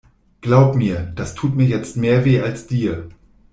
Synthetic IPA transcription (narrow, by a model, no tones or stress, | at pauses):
ɡ̥laʊpmiːɐd̥astʰuːtmiːɐjɛt͡stmeːɐveːalsd̥iːɐ